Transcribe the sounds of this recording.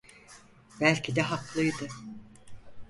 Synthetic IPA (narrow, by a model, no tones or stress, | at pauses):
bælʲcʰid̪ɛɦaklˠɯjd̪ɯ